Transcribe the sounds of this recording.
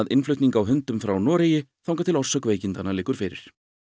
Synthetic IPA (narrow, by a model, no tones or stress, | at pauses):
aðɪnflʏɥht̪niŋkawɦʏnt̪ʏmfɾawnɔːɾeːjɪθawŋkat̪ʰɪlɔr̥sœkveːjcɪnt̪analɪːkʏɾ̥fɪɾɪ̰ɾ̥